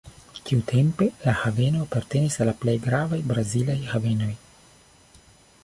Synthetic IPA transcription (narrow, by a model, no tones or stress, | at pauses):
kiutʰe̞mpe̞lahave̞noapaɾt̪e̞nisalːaplejɡɾavajbɾazilajhave̞no̞j